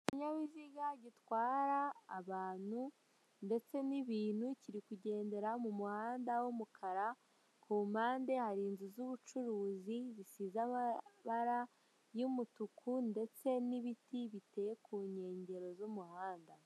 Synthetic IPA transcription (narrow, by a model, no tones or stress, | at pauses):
iɲaβiziɡaɟitwaːɾaːβaːn̥hu | nde̞t͡se̞niβiːn̥huciɾikuɟe̞ːnde̞ɾamumuhaːndawomukʰaɾa | kʰuːmaːnde̞haɾiːnzuzuβut͡ʃuɾuːzizisiːzaβaɾa | jumutukʰunde̞t͡se̞niβitiβitejekʰuːɲe̞ːɲɟe̞ɾo̞zumuhaːnda